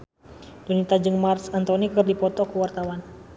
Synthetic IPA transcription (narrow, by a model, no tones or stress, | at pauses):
dunit̪ad͡ʒɨŋmarsant̪ɔnikɨrdipɔt̪ɔkuwart̪awan